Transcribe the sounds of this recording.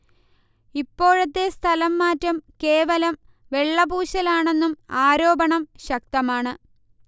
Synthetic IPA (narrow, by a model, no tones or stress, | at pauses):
ipːo̞ːɻɐt̪ːe̞st̪ʰɐlɐmːaːtːɐmke̞ːʋɐlɐm | ʋe̞ɭːɐbuːɕɐlaːɳe̞nːumaːɾo̞ːbɐɳɐmɕɐk̚t̪ɐmaːɳɨ